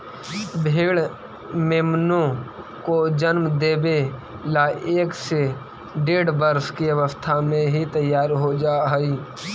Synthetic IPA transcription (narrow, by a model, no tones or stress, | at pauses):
bʱeːɭ | meːmnõ | kod͡ʒənmd̪eːbe | laːʔeːkse | ɖeːɽbəɾskiɐʋəst̪ʰamẽɦit̪əjːaːɾɦod͡ʒaːɦəi